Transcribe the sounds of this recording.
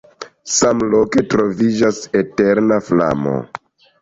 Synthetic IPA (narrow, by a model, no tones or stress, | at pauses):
samlo̞ke̞tɾo̞vid͡ʒasete̞ɾnafla̰mo̞̰